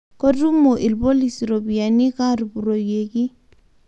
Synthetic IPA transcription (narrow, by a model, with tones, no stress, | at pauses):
ko˦du˦mo˨ʔi˨lbo˦li˨si˨ɾo˨bi˨a˨ni˦ka˦ɾu˨bu˨ɾo˨je˨ki˦